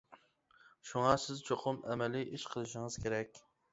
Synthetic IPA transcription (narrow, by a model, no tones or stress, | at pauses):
ʃuŋɑsɪzt͡ʃʰoqʰʊmʔɛmɛlɪʔiʃqʰəlˠɨʃɪŋəz̥kʲʰeɾɛkʲ